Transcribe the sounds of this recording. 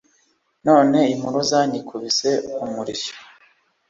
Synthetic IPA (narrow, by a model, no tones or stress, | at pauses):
no̞ːne̞imuɾozaɲikʰuβise̞umuɾiʃo̥